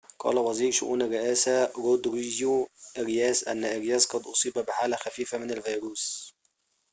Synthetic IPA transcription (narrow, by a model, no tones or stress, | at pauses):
qɑ̰ːlæwæziːɾʃʊʔṵːnarːɪʔæːsæɾod̪ɾizjuʔɪɾjæːsʔæ̰nːæʔɪɾjæːsqɑd̪ʔosˤiːbæbɪħaːlæxæfiːfæmɪnalvɑjɾuːs